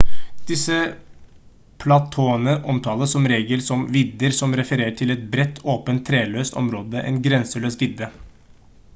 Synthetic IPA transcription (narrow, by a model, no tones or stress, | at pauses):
d̪̥ɪsə | pʰlɑt̪ʰoːənəʔɔmt̪ʰɑːləsːɔmɾeːɡəlsɔmʋɪd̪ːəɾsɔmɾɛfəɾeːʈʰɪlɛt̪̚bɾɛt̪ʰːoːpənt̪ʰːɾeːløːst̪ɔ̰mɾoːd̪əʔɛ̰ːnɡɾɛnsəɭøːst̪ʋɪd̪ːə